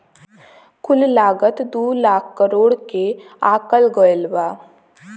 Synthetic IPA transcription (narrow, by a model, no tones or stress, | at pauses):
kʰʊllaːɡət̪d̪uːlaːkʰkəɾoːɽkeaːkəlɡəjlbaː